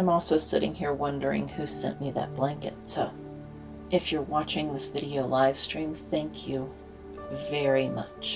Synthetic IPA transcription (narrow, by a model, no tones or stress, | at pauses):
ãɪ̃mɔlˠsoʊsɪɾɪ̰̃ŋhiɹwʌ̃ndə˞ɪ̰̃ŋhʉsɛ̰̃nmiðɨ̰t̚b̥læ̃ŋkɨ̰tsoʊ | ʔɨfjə˞wɑt͡ʃɪ̃ŋðɪsv̥ɪɾioʊlaɪv̥stɹ̥ĩmθæ̃ŋkʰjʉ | vɛɹimʌ̰t͡ʃ